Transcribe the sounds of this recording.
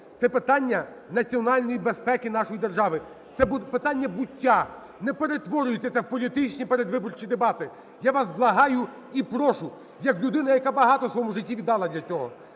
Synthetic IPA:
t̪sɛpɪt̪ɑnʲːɐ | nɐt͡sʲiɔnɑlʲnɔjibe̞spɛkɪnɑʃɔjid̪erʒɑʋɪ | t̪sɛbʊpɪt̪anʲːɐbʊtʲːa | nɛpeɾe̞t̪ʋɔɾʲʊjɪtʲːɐt̪sɛwpɔlʲit̪ɪt͡ʃnʲipeɾed̪ʋɪbɔrt͡ʃid̪ebɑt̪ɪ | jaʋɑsblˠɐɦɑjʊ | ipɾɔʃʊ | jɐklʲʊd̪ɪnɐjɐkabɐɦɑt̪ɔsʋɔmuʒɪtʲːiʋʲid̪ːɑlˠɐd̪ʲlʲɐt͡sʲɔɦɔ̰

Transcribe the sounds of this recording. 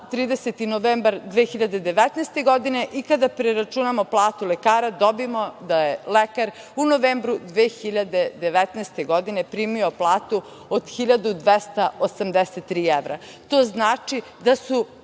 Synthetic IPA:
t̪ɾiːd̪eset̪inoʋeːmbaɾd̪ʋexiʎad̪ed̪e̞ʋɛt̪neːst̪e̞ɡo̞d̪ine̞ʔikad̪apɾeɾat͡ʃunamoplˠaːt̪ulekaːɾad̪obimod̪ajelekaɾ | unoʋeːmbɾud̪ʋeːxiʎad̪e̞d̪eʋɛt̪nɛːst̪eɡod̪ine̞pɾiːmio̞plˠaːt̪u | od̪̥xiʎad̪ud̪ʋest̪aosamd̪eset̪ːɾiːeʋɾa | t̪oːznaːt͡ʃi | d̪asu

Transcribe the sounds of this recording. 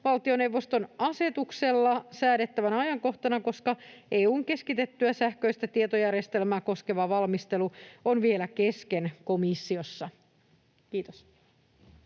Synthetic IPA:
ʋɑlt̪io̞newʋːo̞st̪onɑse̞t̪ukse̞lːɑsæːɾet̪ːæʋænɑjɑŋko̞ht̪ɑnɑko̞skɑeːuːŋke̞skit̪et̪ːyæsæhkøjst̪æt̪iet̪ojærjest̪e̞lmæːko̞ske̞ʋɑʋɑlmist̪e̞luonʋielæke̞skenko̞misːio̞sːɑ | kiːt̪os

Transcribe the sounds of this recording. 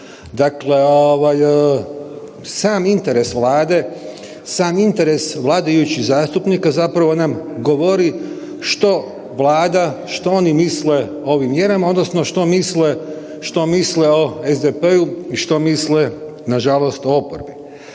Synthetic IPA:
d̪akle̞oʋaj | saːmint̪e̞ɾe̞sʋlaːd̪e̞ | saːmint̪e̞ɾe̞sʋlˠaːd̪ajut͡ʃizaːst̪upnikazapɾaʋo̞namɡo̞ʋo̞ɾi | ʃt̪o̞ | ʋlaːd̪aʃt̪oo̞nimisle̞ | o̞ʋimːjeɾamao̞d̪nosno̞ʃt̪o̞misle̞ | ʃt̪o̞misle̞o̞ezd̪epeuiʃt̪o̞misle̞ | naʒalo̞st̪o̞opo̰ɾbi

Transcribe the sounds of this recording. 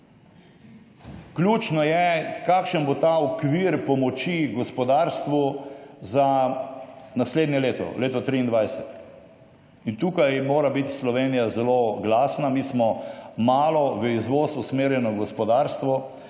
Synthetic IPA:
klʲjuːt͡ʃnɔjɛkaːkʃənbot̪aɔkʋiɾpɔmɔt͡ʃiɡɔspɔd̪aːɾst̪ʋuza | nasleːd̪njɛleːt̪ɔ̰leːt̪ɔt̪ɾiːnd̪ʋajsɛt̪ | int̪uːkajmoːɾabit̪slɔʋeːnijazɛloɡlaːsnamiːsmɔmaːlɔʋəizʋosusmeːɾjɛnɔɡɔspɔd̪aːɾst̪ʋɔ

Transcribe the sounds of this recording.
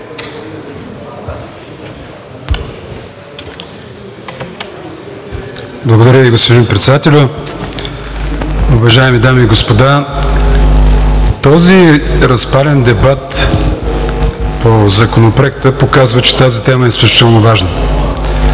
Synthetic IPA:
blˠɐɡod̪ɐɾʲjəviɡospod̪inpɾɛt̪sɛd̪at̪ɛlʲʊ | ʊvɐʒaɛmid̪amiːɡospod̪a | t̪ɔziɾɐspalʲɛnd̪ɛbat̪ | pozɐkonopɾɛkt̪əpokazvət͡ʃɛ̥t̪azit̪ɛməɛslʲut͡ʃi̥t̪ɛlˠnovaʒnə

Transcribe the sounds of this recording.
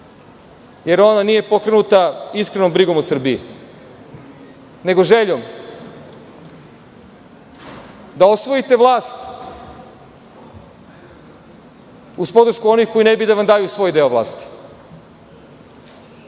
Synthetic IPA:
je̞ɾo̞nanije̞po̞kɾe̞nut̪aiskɾe̞no̞mbɾiɡo̞mosr̩bii | ne̞ɡo̞ʒe̞ʎom | d̪ao̞sʋo̞jit̪e̞ʋlˠaːst̪ | uspo̞d̪ɾ̩ʃkuo̞nixko̞ine̞bid̪aʋamd̪aːjusʋo̞ːjd̪e̞oʋlˠa̰ːst̪i̥

